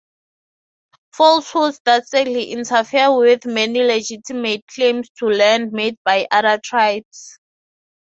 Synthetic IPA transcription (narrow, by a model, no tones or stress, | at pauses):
fɔlshusdastɹɛk̚tliʔĩntʰafiawiθmɛniled͡ʒitʰimet̚kʰlẽmstʰulɛ̃ndmed̚bajʔaðatʰɹajbs